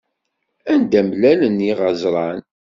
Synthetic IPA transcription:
ænd̪æmlæləniʁɑzɾˤɑn

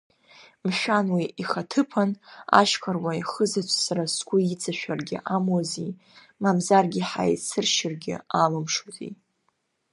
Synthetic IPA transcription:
mʃʷᶣanwiiχatʰɨpʰana̰ʃkʰarwaiχəzat͡ʃʷʰsaɾaskʷʼʊit͡sʰʼaʃᶣarɡʲɪ̰ʔamozi | mamzarɡʲɪħa̰jsɨrʃɪrɡʲɪ̰alɨmʂuzḭ

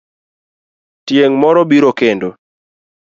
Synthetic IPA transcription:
tjeŋmɔɾɔbiɾokendo

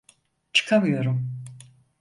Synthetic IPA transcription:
t͡ʃʰɯ̥kʰamɯjo̞ɾum

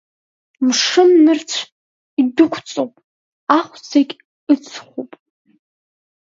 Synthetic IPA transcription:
mʂɨmːɨrt͡sʷʰ | idʊkʷʰt͡sʼowpʼ | aχʷd͡zakʲʼ | ɨt͡sʰχʷupʼ

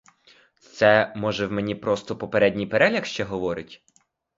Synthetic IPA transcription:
t̪sɛmɔʒɛwmenʲipɾɔst̪ɔpɔpeɾɛdʲnʲijpeɾɛlʲɐxʃt͡ʃɛɦɔʋɔɾɪtʲ

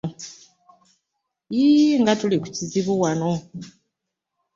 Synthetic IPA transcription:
iŋɡatuliku̥ciziβuwano

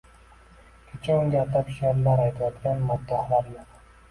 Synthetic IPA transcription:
kʲʰet͡ʃʰaʊŋɡʲat̪apʃeɾlaɾajt̪ʰajɒt̪kʲanmad̪ːahlaɾjoq

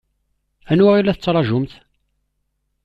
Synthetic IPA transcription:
ænwæilːæθət͡sːɾˤɑʒʊmθ

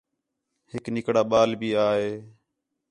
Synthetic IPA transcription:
hɪknɪkɽaːɓaːlbiːaːɦeː

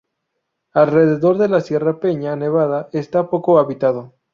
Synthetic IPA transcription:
alre̞ð̞e̞ðo̞ɾðe̞lasje̞rape̞ɲane̞βaðaʔe̞st̪apo̞ko̞aβit̪aðo

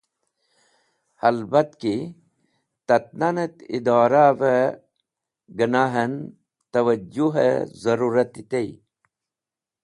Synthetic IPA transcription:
hɐlbɐt̪ki | t̪ɐt̪̚nanet̪ḭd̪aːɾaʋe | ɡənaːɦɐn | t̪ɐwɐd͡ʑuɦḛzɐɾuɾɐt̪it̪ej

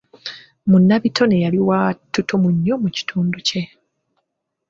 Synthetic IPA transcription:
munːaβitʰo̞nejaliwatːutumuɲːomuci̥tʰuːnduce̞

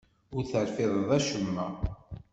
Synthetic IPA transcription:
ʊɾθəɾfɪðˤðˤæʃəmːæ

